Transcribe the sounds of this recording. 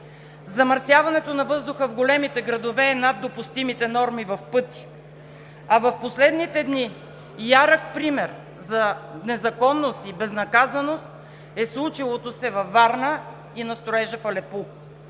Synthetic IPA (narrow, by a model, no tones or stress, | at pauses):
zɐmɐɾsjavɐnɛt̪onɐvɤzd̪ʊxəvɡolɛmit̪ɛɡɾɐd̪ovɛːnad̪ːopʊst̪imit̪ɛnɔɾmivɐfpɤt̪i̥ | ɐvɐfposlɛd̪nit̪ɛd̪ni | jaɾək̚pɾimɛɾ | zɐnɛzɐkɔnːost̪ibɛznɐkazɐnost̪ | ɛslˠut͡ʃilˠot̪osɛvɐfːaɾnə | inɐst̪ɾoɛʒəfɐlɛpu